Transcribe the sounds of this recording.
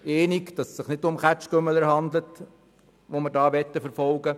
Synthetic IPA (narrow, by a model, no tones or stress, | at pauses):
eːnikd̥ɑssɪχnɪtʊmχæt͡ʃkømələɾhɑnd̪lət | ʋomɪɾdɑːʋɛtːəfəɾfɔlɡə